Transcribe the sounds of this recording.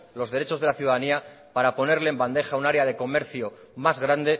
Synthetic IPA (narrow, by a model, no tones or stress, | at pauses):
lo̞zðe̞ɾe̞t͡ʃo̞zð̞e̞laθjuðaðania | paɾapo̞ne̞ɾleːmband̪e̞xaunaɾeaðe̞ko̞me̞ɾθjo | mazɣɾand̪e̞